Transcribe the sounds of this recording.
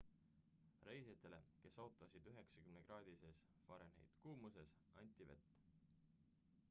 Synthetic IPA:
re̞jset̪ːˑe̞le̞̰ke̞so̞ːt̪ˑːɑsid̪yɦe̞ksɑ̥kymneɡ̥rɑːd̪̥ises | vɑɾenḛjd̪̥kuːmuse̞s | ɑnʲt̪ʲːˑive̞̰t̪ː

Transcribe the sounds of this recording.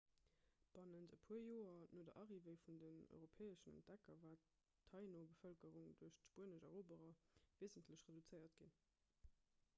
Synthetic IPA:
b̥ɑnəntəpʰuɐjoːɐnoːdɐʔɑʁivəɪfundənɔ̰ʏɪʁopʰɛːəʃənə̰ntd̥ækɐvaː | tʰːɑɪnobəfœlkəʁuŋduɐɕtʃpuənəʃɑ̰ʁoːbəʁɐveɪzəntʰləɕʁedut͡səɪɐtɡ̥in

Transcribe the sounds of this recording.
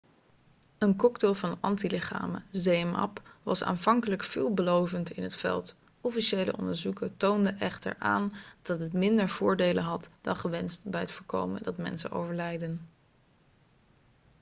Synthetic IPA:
ənkɔkteːlˠvɑnɑntilɪχa̰ːməzejəmɑ̰pʋɑsa̰ːnvɑŋkələkfɪːlˠbəlowvəntɪnɦətfɛ̰lˠt | ʔɔfiʃejlə̰ʔɔ̰ndəɹzukətowndəʔɛχtə̰ɹʔa̰ːnd̥ɑtɦətmɪndəɹv̥ʊːɹdejlənɦɑtd̥ɑnχəʋɛnst̚bɛjɦətfʊːɹko̰wmə̰dɑtmɛ̰nsə̰no̰wvəɹlɛjdən

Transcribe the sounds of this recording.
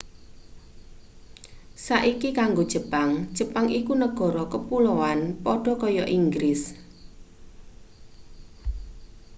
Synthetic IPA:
saʔikikaŋɡod̥ʒ̥ə̤paŋd̥ʒ̥ə̤paŋikunəɡ̥ɔ̤ɾɔkəpulɔwanpɔɖ̥ɔ̤kɔjɔʔiŋɡɾɪs

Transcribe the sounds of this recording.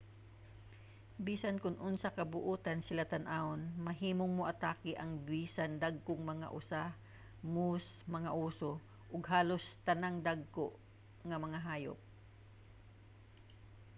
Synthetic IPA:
biːsankʊnʔʊnsakɐbʊʔuːt̪ansɪlat̪ɐnʔaonmɐɦiːmoŋmoʔɐt̪aːkɪʔɐŋbiːsand̪aɡ̚koŋmɐŋa̰ʔʊsa | musmɐŋaʔuːso | ʔʊɡɦaːlost̪ɐnaŋd̪aɡ̚koʔ | ŋɐmɐŋaɦaːjo̰p̚

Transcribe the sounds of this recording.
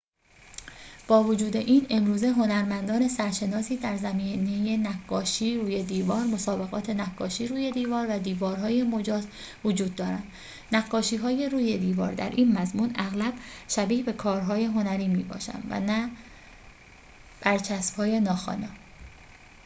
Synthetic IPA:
b̥ɒːvod͡ʒuːd̪e̞ʔiːne̞mɾuːze̞ɦo̞næɾmænd̪ɒːne̞sæɾʃe̞nɒːsiːd̪æɾzæmiːnejenæɡːɒːʃiːɾuːje̞d̪iːvɒːɾmo̞sɒːbe̞ɣɒ̰ːt̪ʰe̞nækːɒːʃiːɾuːje̞d̪iːvɒːɾvæd̪iːvɒːɾɦɒːjemo̞d͡ʒɒːz | vod͡ʒuːd̪ːɒːɾænd̪ | næɡːɒːʃiːɦɒːje̞ɾuːje̞d̪iːvɒ̰ːɾd̪æ̰ɾʔiːnmæzmuːnæɣlæb̥ʃæbiːhbe̞kʰɒːɾɦɒːje̞ɦo̞næɾiːmiːbɒ̰ːʃæ̰nd̪væ̰næ | b̥æɾt͡ʃʰæsb̥hɒːje̞nɒːxɒ̰ːne

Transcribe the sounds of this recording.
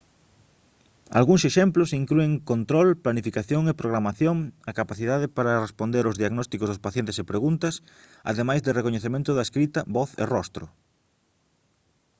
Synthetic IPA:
a̰lɣuŋseʃemplʊsiŋklueŋkont̪ɾɔlplanifikaθjoŋepɾoɣ̞ɾamaθjoŋɐkapaθiðaðɪpaɾɐrespond̪eɾozðiaɣnɔst̪ikozðʊspaθjent̪esepɾeɣunt̪ɐs | a̰ðemajzðɪrekoɲeθemẽnt̪ʊðɐeskɾit̪ɐβɔθḛrɔst̪ɾʊ̰

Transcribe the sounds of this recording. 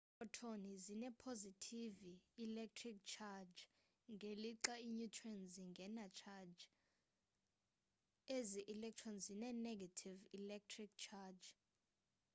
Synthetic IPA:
ɔtʰonizinɛpʰozitʰiviilɛk̚tʰrik̚t͡ʃʰad͡ʒ | ŋɡʱeliǁaiɲutʰwɛnziŋɡʱɛnat͡ʃʰad͡ʒ | eziʔilɛk̚t͡ʃʰɔnzinɛnɛɡʱatʰivilɛk̚tʰrik̚t͡ʃʰad͡ʒ

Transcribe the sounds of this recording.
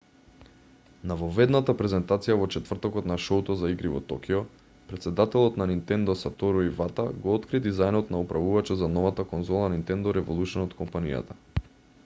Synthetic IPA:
navɔvɛd̪nat̪apɾɛzɛnt̪at̪sijavɔt͡ʃɛt̪vr̩t̪ɔkɔt̪naʃout̪ɔzaiɡɾivɔ̰t̪ɔkiɔ | pɾɛt̪sɛd̪at̪ɛlˠɔt̪nanint̪ɛnd̪ɔsat̪ɔɾuivat̪aɡɔɔt̪kɾid̪izajnɔt̪naupɾʔavuvat͡ʃɛzanɔvat̪akɔnzɔlˠanint̪ɛnd̪ɔɾɛvolˠut͡ʃɛnɔt̪kɔmpanḭja̰t̪a

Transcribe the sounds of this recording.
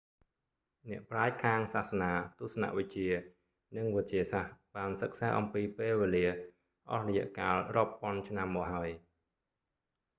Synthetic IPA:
nɛ̆əʔpraɛc̚kʰaːŋsaːhsanaːt̪ʊ̆əhsɑna̰ʔʋɨc̚t͡ɕiə | nɨŋʋət̚t͡ɕiəsahɓaːnsək̚sa̰ːʔɑmpiːpeːlʋeːliə | ʔɑ̰hrɔjɛ̆əʔkaːlrŏəpːŏənt͡ɕʰnamːɔːk̚ɦaəj

